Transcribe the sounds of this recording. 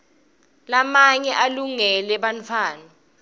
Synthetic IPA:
lamaɲɛʔaluŋɛlɛɓant͡fʰaːna

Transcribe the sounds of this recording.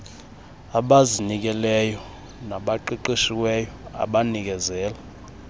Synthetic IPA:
aɓazinik̬ɛlɛjɔ | naɓaǃiǃiʃiwɛjɔa̰ɓanik̬ɛzɛːla

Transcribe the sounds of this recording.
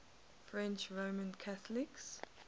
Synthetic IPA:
fɹɛ̃nt͡ʃɹomə̃nkʰaθəlɪks

